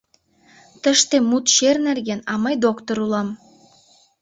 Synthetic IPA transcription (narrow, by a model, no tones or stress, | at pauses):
t̪ə̆ʃt̪ĕmut̪ʃernærɡʲenɑmɑjd̪okt̪oɾulˠɑm